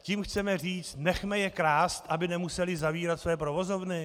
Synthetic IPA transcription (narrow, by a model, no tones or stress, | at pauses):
ciːmxt͡sɛmɛr̝iːt͡st̪nɛxmɛjɛkɾaːst̪ʔabɪnɛmusɛlɪzaviːɾat̪svɛjɛpɾovo̞zo̞vnɪ